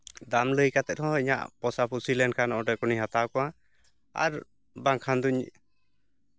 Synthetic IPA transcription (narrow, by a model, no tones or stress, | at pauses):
d̪amləjkat̪ɛt̪̚ˀhɔ̃iɲa̰ʔpɔsapusilɛnkʰanɔʔɔ̃ɖɔkɔnihat̪akɔa | a̰ɾ | baŋkʰand̪uɲ